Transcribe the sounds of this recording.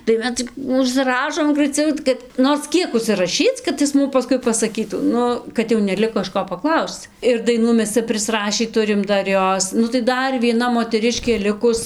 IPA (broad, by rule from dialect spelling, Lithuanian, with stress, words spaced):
tɐɪ ˈmʲɛs t͡sʲɪk ʊʃʲsʲɪˈrɑːʃoːm ɡrɐɪˈt͡sʲɛʊ kɐt ˈnoːrs ˈkʲiɛk ʊʃʲsʲɪrɐˈʃʲiːt͡s kɐt ˈɪs ˈmʊm pɐˈskʊɪ pɐsɐˈkʲiːtuː ˈnʊ kɐt jɛʊ nʲɛˈlʲɪkoː ɪʃ ˈkoː pɐˈklˠɐʊst͡s ɪr dɐɪˈnuː ˈmʲɛs ˈt͡sʲɛ pʲrʲɪsˈrɑːʃʲiː ˈtʊrʲɪm ˈdɐr ˈjoːs nʊ tɐɪ ˈdɐr ʋʲiɛˈnɐ moːtʲɛˈrʲɪʃʲkʲeː ˈlʲɪkʊs